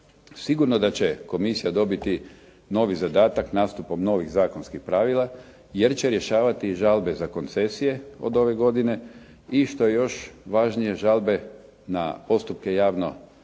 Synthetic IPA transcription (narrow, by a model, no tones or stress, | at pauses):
siɡuɾnod̪at͡ɕe̞ko̞misijad̪o̞bit̪i | no̞ʋizad̪aːt̪aknaːst̪upo̞mno̞ʋiɣzaːkonskixpɾaːʋilˠa | je̞ɾt͡ɕe̞ɾjeʃaːʋat̪iʒalˠbe̞zako̞nt̪se̞sije̞o̰d̪o̞ʋe̞ɡo̞d̪ine̞ | iʃt̪o̞jejo̞ʃʋaʒnije̞ʒalˠbe̞ | na̰po̞st̪up̚ke̞jaːʋno̞̰